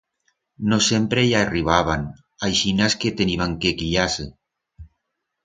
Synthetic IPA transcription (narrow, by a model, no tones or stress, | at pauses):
nosempɾejaeriβ̞aβ̞an | ajʃinasket̪eniβaŋkekiʎase